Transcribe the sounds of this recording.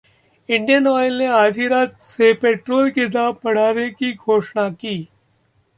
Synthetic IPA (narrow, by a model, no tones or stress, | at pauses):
ɪ̃ɳɖijənɔːjlneaːd̪ʱiɾaːt̪sepeːʈɾoːlkɪd̪aːbpɐɽ̤aːnekiɡʱoːʃɳakiː